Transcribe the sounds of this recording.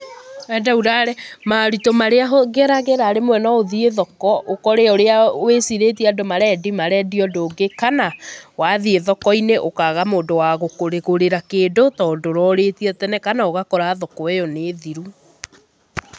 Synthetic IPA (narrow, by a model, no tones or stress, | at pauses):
ɛdauɾaɾɛmaɾutomaɾeaɦoɣɛɾaɣeɾaɾemwɛnɔoðieðɔkɔʔokɔɾeɔoɾeawesiɾeːtiadomaɾɛdimaɾɛdiɔdoːɡekanawaðieðɔkɔineʔokaɣamoːndowaɣokoɾeɣoɾeɾakeːdotɔdoɾɔɾetiɛtɛnɛkanaoɣakɔɾaðɔkɔɛjɔneːðiɾu